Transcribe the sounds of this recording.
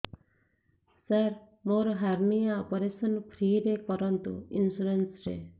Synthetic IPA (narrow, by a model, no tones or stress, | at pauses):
səɾ | moɾɦaɾnijaɔpoɾesɔnpʰɾiːɾekɔɾɔnt̪ṵinsuɾensɾḛ